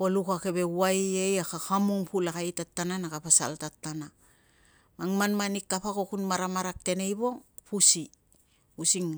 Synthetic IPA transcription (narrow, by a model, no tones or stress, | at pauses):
polukake̞βe̞wajejakaxamuŋpulakajtatːananakapasa̰ltatːana | maŋmanmanikːapako̞kunmaɾamaɾak̚te̞ne̞jbo̞ŋpusi | usiŋ